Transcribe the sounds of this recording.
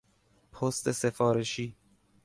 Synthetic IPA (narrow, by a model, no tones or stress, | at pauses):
pʰost̪ese̞fɒːɾeʃiː